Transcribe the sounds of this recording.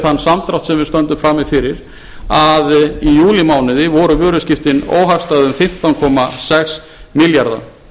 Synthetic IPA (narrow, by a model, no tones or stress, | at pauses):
θanːsamt̪ɾawt̪sɛmvɪðst̪œnt̪ʏmfɾamɪfɪɾɪɾ | aðijuːlɪmaːwnɪðɪvɔɾʏvʏːɾʏscɪft̪ɪno̰ːwɦakst̪aðʏmfɪm̥t̪awnkʰɔmasɛks | mɪljaɾða̰